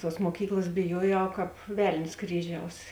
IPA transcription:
ˈtuɔs muɔˈkʲiːklˠɐs bʲɪˈjuɔjɛʊ kɑːp ˈʋʲɛlʲnʲsʲ ˈkrʲiːˌʒʲɛʊs

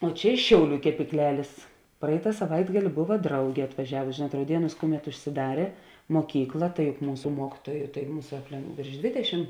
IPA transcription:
oː ˈt͡ʃʲɛ ɪʃ ˈʃʲɛʊˌlʲuː kʲɛpʲiːkˈlʲæːlʲeːs ˈprɐɪtɐ sɐˈʋɐɪdɡɐlʲɪ ˈboːʋɐ ˈdrɐʊɡʲeː ɐtʋɐˈʒʲæːʋʊsʲɪ ˈʒʲeːnuɔt rɐʊˈdʲiɛnuːs ˈkʊˌmʲɛt ʊʃʲsʲɪˈdɑːrʲeː moːˈkʲiːklˠɐ tɐɪ jʊk ˈmuːsʊ ˈmuɔkʲiːtuɔjʊ tɐɪ ˈmuːsɐ ɐpʲˈlʲɛ ʋʲeːrʃ ˈdʲʋʲeːdʲɛˌʃʲɪm

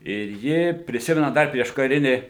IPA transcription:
ɪr ˈjɪ pʲrʲɪˈsʲɪmʲɛnɐ ˈdɐr pʲrʲiɛʃkɐˈrʲɪnʲɪ

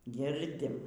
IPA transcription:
ˈɡʲɪrʲdʲɪm

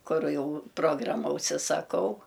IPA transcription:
ˈkʊrʊ ˈjɛʊ ˈproːɡrɐmɐ ʊʃʲsʲɪsɐˈkɐʊ

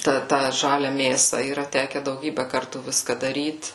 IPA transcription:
ˈtɑː ˈtɑː ˈʒɑːlʲɛ ˈmʲeːsɐ iːˈrɐ ˈtʲæːkʲɛ dɐʊˈɡʲiːbʲɛ ˈkɐrtuː ˈʋʲɪskɐ dɐˈrʲiːt

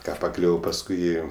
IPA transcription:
ˈkɑː pɐˈklʲʊʋoː pɐsˈkʊɪ ˈeːjoː

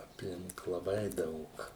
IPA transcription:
ɐpʲˈlʲɪŋk lˠɐˈbɐɪ ˈdɐʊk

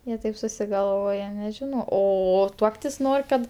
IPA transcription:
ˈjiɛ ˈtɐɪp sʊsʲɪɡɐlˠˈʋoːjɛ nʲɛˈʒʲɪnoː ˈoː ˈtuɔktʲɪs ˈnoːrʲ kɐt

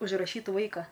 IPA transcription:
ʊʒˈrɑːʃʲiːt ˈʋɐɪkɐ

